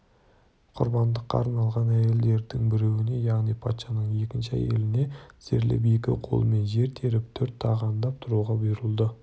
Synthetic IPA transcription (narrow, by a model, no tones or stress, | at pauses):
qʰʊ̰ɾbɑnd̪əqːɑ̰ːɾnɑlˠʁɑnæje̞ld̪e̞ɾd̪ɪŋbɪɾewɪne̞jɑʁnijpʰɑt̪ʃɑnəɴje̞kʲɪnʃɪæ̰jḛlɪne̞z̥eɾlɪ̰p̬je̞kʲɪ̰qʰo̞̰lˠəme̞nʒe̞ɾt̪ʰe̞ɾɪp̚t̪ʰɵɾt̪ʰːɑʁɑnd̪ɑp̚t̪ʰʊɾuʁɑbʊjɾəlˠd̪ə